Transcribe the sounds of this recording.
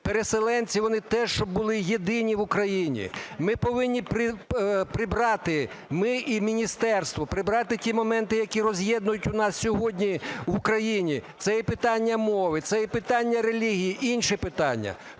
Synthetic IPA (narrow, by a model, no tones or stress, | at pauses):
peɾeselˠɛnʲt͡sʲiʋɔnɪt̪ɛʃt͡ʃɔbːʊlˠɪjed̪ɪnʲiʋʊkɾɐjinʲḭmɪpɔʋɪnʲːipɾɪpɾɪbɾɑt̪ɪ | mɪʔimʲinʲist̪ɛrst̪ʋɔpɾɪbɾɑt̪ɪtʲimɔmɛnt̪ɪjɐkʲirɔzʲjɛd̪nʊjʊtʲʊnɑssʲɔɦɔdʲnʲiʋukɾɐjinʲit̪sɛjɛpɪt̪ɑnʲːɐmɔʋɪt̪sɛjɛpɪt̪ɑnʲːɐɾelʲiɦʲijiʔinʃɪpɪt̪ɑnʲːɐ̰